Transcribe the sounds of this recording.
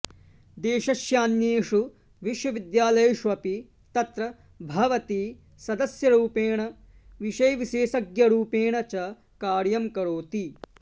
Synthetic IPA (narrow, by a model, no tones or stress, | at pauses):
d̪eːʃɐʃjaːnjeːʂu | ʋiʃʋɐʋid̪jaːlɐjɐʃʋɐpi | t̪ɐt̪ɾɐ | bʱɐʋɐt̪i | sɐd̪ɐsjɐɾuːpeːɳɐ | ʋiʃɐjɐʋiʃeːsɐɡjɐɾuːpeːɳɐt͡ʃɐ | kaːɾjɐmkɐɾoːt̪i